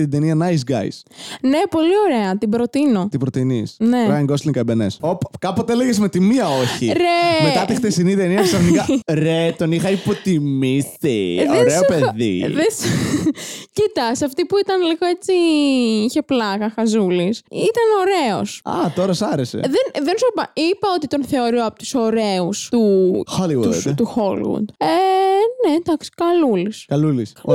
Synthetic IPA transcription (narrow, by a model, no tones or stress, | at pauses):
t̪id̪eniɐnɐjs̬ɡɐ̰jsne̞po̞lio̞ɾe̞ɐt̪ibɾo̞t̪ino̞t̪ibɾot̪inisneɐɐŋɡosliŋkɐbenesopkɐpot̪eeleɣesmet̪imiɐoçḭɾemeɐt̪ixt̪esinit̪eniɐksɐfonikɐɾet̪onixɐipot̪immisḭoɾeopeðḭðes | cit̪ɐsɐft̪ipuit̪ɐnliɣoe̞t͡siiçe̞plɐɣɐxɐzulisit̪ɐno̞ɾe̞o̞sɐ̰t̪o̞ɾɐsɐɾese̞̰ðenðensopɐipɐo̞t̪it̪o̞nθe̞o̞ɾioɐpot̪u̥so̞ɾeust̪uxoliwuut̪uxolwṵd̪enend̪ɐksi̥kɐluliskɐluliso